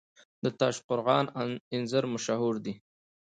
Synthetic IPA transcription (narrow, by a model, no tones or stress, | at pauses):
d̪̥ət̪ɑːʃqʊɾɣɑnɪnzəɾmʊʃaɦuɾd̪i